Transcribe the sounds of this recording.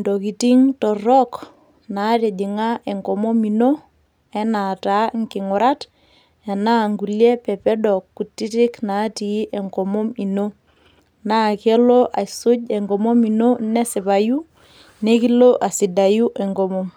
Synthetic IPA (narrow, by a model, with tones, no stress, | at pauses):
ndo˨ki˨ti˦ŋtɔ˨rɔ˦k | na˨˦tɛ˨di˨ŋa˦ʔɛ˨ŋɡɔ˨mɔ˦mi˨no˦ | ɛ˦na˨ta˦ŋkɪ˨ŋʊ˨ɾa˦t | ɛ˨na˦ŋɡu˨lje˦pɛ˨pɛ˦dɔ˨kːu˨tːi˦tɪ˦kna˨˦ti˨˦ʔɛ˨ŋɡɔ˨mɔ˦mi˨no˦ | na˦kɛ˦lo˦ʔa˨isʊ˦ɟɛ˨ŋɡɔ˨mɔ˦mi˨no˦nɛ˦sɪ˨pa˨ju˦ | ne˦ki˦lo˦ʔa˨si˨da˨ju˦ʔɛ˨ŋɡɔ˨mɔ˦m